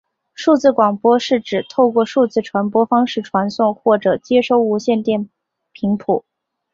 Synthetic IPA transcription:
ʂu˥˧t͡sɹ̩˥˩kwɑ˨˩ŋpwɔ˥ʂɻ̩˥˩ʈ͡ʂɻ̩˨˩t̪ʰo˥˧ʊkwɔ˥˧ʂu˥˧t͡sɹ̩˥˩ʈ͡ʂʰwa˧˥npwɔ˥fɑ˥ŋʂɻ̩˥˩ʈ͡ʂʰwa˧˥nsʊ˥˩ŋxwɔ˥˩ʈ͡ʂɤ˨˩t͡ɕjɛ˥ʂo˥˩ʊu˧˥ɕjɛ˥˧nt̪jɛ˥˩n | pʰi˧˥ŋpʰu˨˩˦

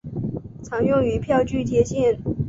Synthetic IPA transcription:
t͡sʰɑ˧˥ŋjʊ˥˩ŋy˧˥pʰjɑ˥˧ʊt͡ɕy˥˩t͡ɕjɛ˥ɕjɛ˥˩n

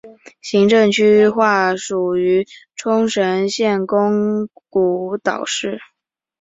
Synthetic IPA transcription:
ɕi˧˥ŋʈ͡ʂɤ˥˩ŋt͡ɕʰy˥xwa˥˩ʂu˨˩y˧˥ʈ͡ʂʰʊ˥ŋʂə˧˥nɕjɛ˥˩nkʊ˥ŋku˧˨˩t̪ɑ̰˨˩ʊʂɻ̩˥˩

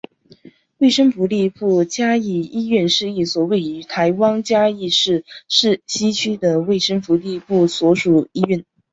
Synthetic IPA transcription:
we˥˩ɪʂə˥ŋfu˧˥li˥˧pu˥˩t͡ɕja˥i˥˩i˥ɥɛ˥˧nʂɻ̩˥˧i˥˩swɔ˨˩we˥˩ɪy˧˥˧t̪ʰa˧˥ɪwɑ˥ŋt͡ɕja˥i˥˧ʂɻ̩˥˧ʂɻ̩˥˧ɕi˥t͡ɕʰy˥d̪ə˨we˥˩ɪʂɤ˥ŋfu˧˥li˥˧pu˥˩swɔ˧˥ʂu˨˩i˥ɥɛ˥˩n

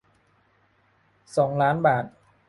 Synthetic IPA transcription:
sɔː˩˦ŋlaː˦˥nbaː˨˩t̪̚

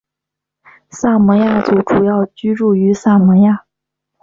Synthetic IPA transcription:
sa˥˩mə˧˥ja˥˩t͡su˨˩ʈ͡ʂu˨˩jɑ˥˩ʊt͡ɕy˥ɻu˥˩y˧˥sa˥˩mə˧˥ja˥˩

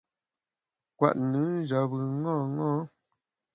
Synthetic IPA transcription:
kwa̰˨ʔnɨ˨˦n̩˦d͡ʒa˨bɯ˨ŋɔ˦˨ŋɔ̃ː˦

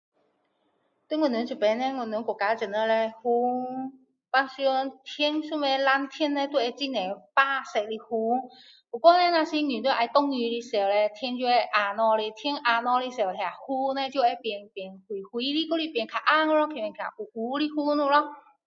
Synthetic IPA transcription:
t̪e˥˧˥ŋwə˨nu˨˧˦nt͡ɕu˨˩pɛ˨˧˦nɛ˧ŋə˨˩nːu˨˦nkɔ˨˩ka˨˧˦t͡ɕə˨˩nə˧lɛ˧hu˧˦ | pa˧˥si˧nt̪ʰɛ˧˥nsu˥˧˩mɛ˧˩la˧˥nt̪ʰjɛ˥nːɛ˧t̪we˥˧˩ɛ˧t͡ɕi˥˩nɛ˨˩pa˥˧˩sɛ˨˧˩k̚li˧hu˧ | pu˨˩kwɔ˥˧nɛ˧na˧si˧˦ny˨˩t̪we˥˧˩ʔa˧˩jt̪ɔ˥ŋy˧li˦˧se˧˩wlɛ˧t̪ʰjɛ˧˥nt͡ɕjo˧ɛ˧ʔa˧nɔ˧li˧t̪ʰji˧˥nʔa˧nɔ˧li˧˥se˧˩wtʰja˨˩hu˦nɛ˧t͡ɕjo˥˧ɛ˧˩pjɛ˧˩npjɛ˨˩nhwi˨˩hwi˨˦li˧˩ko˥˧li˧˩pjɛ˨˩nkʰa˨˩ʔa˥˧ŋɔ˧lɔ˧˥kʰi˨˩mɛ˨˩nkʰa̰˨˩ʔu˨˩ʔu˨˦li˧˥hu˥˦nu˧˨lɔ˧

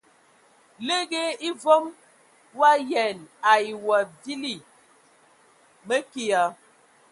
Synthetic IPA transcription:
le˦ɣe˦i˦vo˦m | wa˦jɛ˨na˨i˨wa˨vi˦li˨ | mə˦ki˦˨ja˨

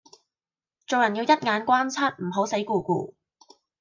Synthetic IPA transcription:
t͡so˨wjɐ˨˩njiː˧wjɐ˥t̚ŋaː˨˧˥nkʷwaː˥nt͡sʰɐ˥t̚m̩˨˩ɦo˨˥wsɐ˨˥jkuː˨˧kṵː˧

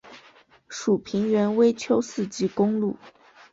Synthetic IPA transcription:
ʂu˨˩pʰi˧˥ŋɥɛ˧˥nwe˥ɪt͡ɕʰjo˥ʊsɹ̩˥˩t͡ɕi˥kʊ˥ŋlu˥˩

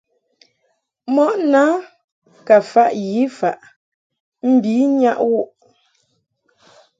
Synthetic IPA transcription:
mɔ˦ʔna˦ | ka˨fa˦ʔji˨˦fa˦˨ʔ | m̩˨bi˨˦ɲa˦ʔwu˦ʔ

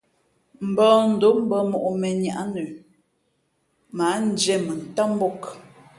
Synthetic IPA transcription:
m̩˨bɔ˦n̩˨do˨˦m̩˦bə˦mo˨ʔmɛ˨ɲa˨ʔa˦nə˨ | ma˨˦n̩˨˦d͡ʒɛ˦˨mə˨n̩˨ta˦m˦bo˦k

